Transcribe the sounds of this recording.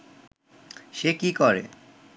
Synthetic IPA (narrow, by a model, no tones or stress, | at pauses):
ʃekikɔɾḛ